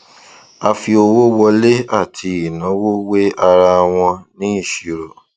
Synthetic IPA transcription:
a˧fi˧o˧wo˦wɔ˧le˦a˦˨tʰi˧i˨nã˨˦wo˦we˦a˧ɾa˧w̃ɔ̃˧nĩ˦i˦˨ʃi˨ɾo˨

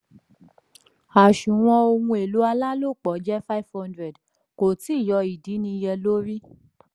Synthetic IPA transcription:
a˨ʃũ˨w̃ɔ̃˧o˧wũ˧e˨lu˨˦a˧la˦lo˦˨k͡pɔ˨˦d͡ʒɛ˦fa˦i˦˨vhɔ̃˦ndɾɛ˨d | ko˨ti˦˨jɔ˧i˨di˨˦nĩ˧jɛ˧lo˦ɾi˦

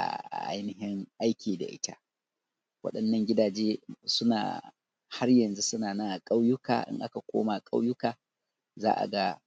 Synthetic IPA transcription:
ʔa̰˨a̰˨ʔa̰˦jnɪ˦hɪ˦ŋʔa˦jkʲiː˨da̰˨ʔɪ̰˦ta̰˦ | wɐ̰˦ɗɐ˨nːɐ˦ŋɡʲɪ˦daː˨d͡ʒeː˦sʊ˦na̰ː˨ | ha˦rjɐ˨nzu˦sʊ˦naː˨na˦ŋʔkʼa˦wjʊ˦ka̰ː˨ʔɪ̰˦ŋʔa˦ka˨kʷoː˦ma˨kʼa˦wjʊ˦kaː˨ | za̰ː˦ʔa̰˨ɡa˦

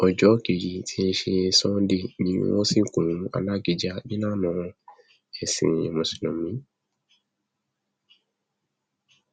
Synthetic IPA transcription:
ɔ˨d͡ʒɔ˨˦ke˨ɾi˨tʰi˦e˧ʃe˧˦sɔ̃˦de˦˨nĩ˨˦wo̰˦si˦˨kũ˨˦a̰˨la˦˨ɡi˨d͡ʒa˦di˦nã˦˨nɔ̃˨˦ | ɛ˨sḭ̃˨ḛ˨mũ˨si˨lo˨mĩ˦

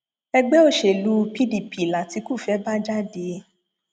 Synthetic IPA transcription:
ɛ˧ɡ͡bɛ˦o˦˨ʃe˨lu˦pi˦di˨pi˨la˨ti˧˦ku˦˨fɛ˨˦ba˦d͡ʒa˦de˧˦

